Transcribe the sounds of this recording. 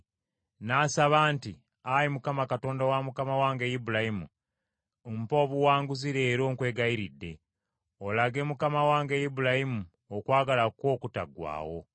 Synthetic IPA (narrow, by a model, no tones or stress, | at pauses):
naːsaβaːnti | ajimukamakato̞ːndawamukamawaːŋɡejibulahimṵ | m̩po̞ːβuwaːŋɡuziɾe̞ːɾo̞ːŋkwe̞ːɡajiɾidːe̞̰ | olaɡe̞mukamawaːŋɡejibulahimu | okwaːɡalako̞ːkuta̰ɡwa̰ːwo̞̰